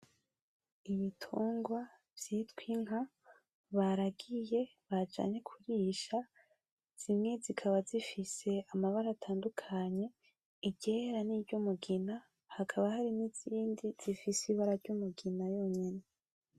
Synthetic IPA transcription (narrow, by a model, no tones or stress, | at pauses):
iβitʰuːŋɡwa | v̥jitkwiŋɦa | βaɾaɡije̞βad͡ʒa̰ːɲe̞kʰuɾiːʃa | z̥imŋe̞zikʰaβazifise̞amaβaɾaːtʰaːndukʰaɲe̞ | iɟeɾaniːvɟumuɡina | hakʰaβahaɾiniz̥iːndiz̥ifisiβaɾaɾɟumuɡinajo̞ːɲene